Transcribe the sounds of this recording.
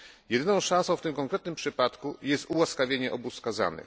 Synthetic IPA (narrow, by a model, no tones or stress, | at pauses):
jɛd̪ɘnɔ̃w̃ʂãñsɔ̃w̃ft̪ɘmkɔŋkɾɛt̪̚nɘmpʂɘpat̪kujɛst̪uwaskavʲjeɲɛʔɔbuskaza̰nɘ̰